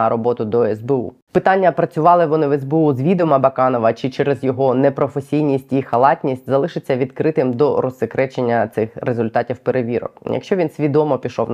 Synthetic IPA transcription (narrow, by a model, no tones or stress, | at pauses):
ɐɾɔbɔt̪ʊd̪ɔɛzbeṵ | pɪt̪ɑnʲːɐpɾɐt͡sʲʊʋɑlˠɪʋɔnɪʋɛzbeuzʋʲid̪ɔmɐbɐkɑnɔʋɐt͡ʃɪt͡ʃɛɾezjɔɦɔnɛpɾɔfesʲijnʲisʲtʲixɐlˠɑtʲnʲisʲtʲzɐlˠɪʃɪt͡sʲːɐʋʲid̪kɾɪt̪ɪmd̪ɔɾɔsɪkɾɛt͡ʃenʲːɐt̪sɪxɾezʊlʲt̪ɑtʲiwpeɾeʋʲiɾɔ̰kjʔɐ̰kʃt͡ʃɔʋʲinsʲʋʲid̪ɔmɔpʲiʃɔwn